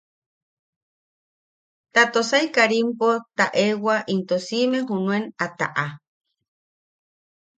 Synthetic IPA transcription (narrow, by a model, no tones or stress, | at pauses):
t̪at̪osaikaɾimpot̪aʔewaʔint̪osimeɦunuenat̪a̰ʔa